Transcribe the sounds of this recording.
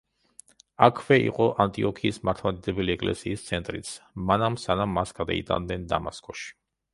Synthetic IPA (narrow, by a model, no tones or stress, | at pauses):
akʰvɛḭqʼɔʔant̪ʼiɔkʰiːsmaɾt̪ʰlad̪id̪ɛbɛliɛkʼlɛ̰siːst̪sʰɛnt̪ʼɾit̪sʰmanamsanamːasɡad̪a̰it̪ʼa̰nd̪ɛnd̪a̰maskʼɔʃi̥